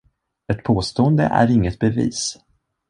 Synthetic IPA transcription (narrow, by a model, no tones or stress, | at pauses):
ɛt̪pʰoːst̪oːənd̪ə̰ʔæ̰ɾɪŋːət̪̚bɛvḭːs